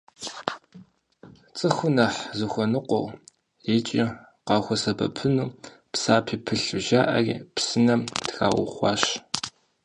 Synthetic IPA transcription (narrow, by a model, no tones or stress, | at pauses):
t͡sʼɨxʷʊnɐħzɨxʷɔnɨqʷɔ̰w | et͡ʃʼi | qɑːxʷɔsɐbɐ̰pʰɨnuː | psaːpʰiːpʰɨɬʒaːʔɐ̰rḭpsɨnɐmtxa̰ːwʊ̰χʷɑ̰ːɕ